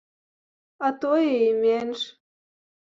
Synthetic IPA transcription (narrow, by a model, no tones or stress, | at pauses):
ɑt̪ojeimenʃ